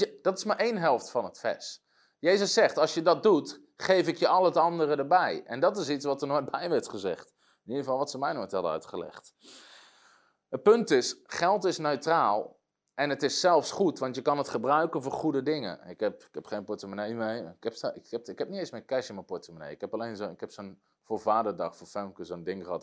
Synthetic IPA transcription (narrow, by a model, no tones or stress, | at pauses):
d̥ɑtɪsmaɹʔejnɦɛlˠftfɑnətfɛ̰s | jejzəsːɛχtɑlˠsjədɑt̚dut | χejfɪkjəʔɑlˠətɑndərədəɹbɛjʔɛ̰ndɔtɪsitsʋɑtərnobɛjʋɛɹtχəzɛ̰χt | ɪnidəvɑlˠʋɑtsəmɛjnotɛdəœ̰ɥtχəlɛ̰χt | ət̚pɵntɪsχɛlˠtɪsnøɥtraːlˠ | ʔɛnətɪsːɛlˠfsχutʋɑntjəkɑnətχəbrœɥkənvoːɹχudədɪŋə̰ɪkɛpɪkhɛpχejnpɔtəmənejmejɪkɛpsɪkɛpɪkhɛp̚nitejnsmɛjkɛʃəməpɔtəmənḛjɪkhɛpɑlejnzonɪkhɛpson | foːɹvaːdərdɑχfoːfɛlmkəzondɪŋχəɦɑ̰t